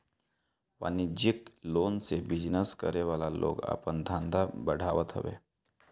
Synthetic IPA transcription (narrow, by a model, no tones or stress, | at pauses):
ʋa̰nid͡ʑiklonsebid͡ʑnəskəɾeʋalalo̰ka̰pəɳd̪ʱãnd̪ʱabəɽ̤ʱaʋət̪ɦə̰ʋḛ